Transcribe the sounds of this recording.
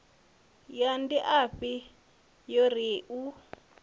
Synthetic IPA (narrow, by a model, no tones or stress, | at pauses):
jandiʔaɸi | jɔɾiːʔu